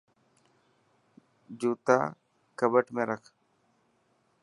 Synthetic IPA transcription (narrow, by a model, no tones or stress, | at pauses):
d͡ʒuːt̪a̰ː | kəbəʈmẽːɾəkʰ